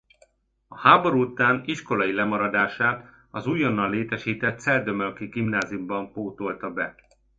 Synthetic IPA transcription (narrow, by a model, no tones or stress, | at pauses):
ɒhaːbo̞ɾut̪aːniʃko̞lɒjilɛmɒɾɒd̪aːʃaːt̪ | ɒzuːjonːɒlːeːt̪ɛʃiːt̪ɛt̪sɛld̪ømølkiɡimnaːzijumbɒɱpoːt̪o̞lt̪ɒbɛ